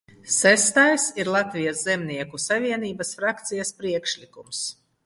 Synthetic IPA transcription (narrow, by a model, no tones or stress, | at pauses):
sæst̪ajsiɾlˠat̪vijaszɛmniɛkusavʲiɛniːbasfɾakt̪sijaspɾiɛkʃlʲikums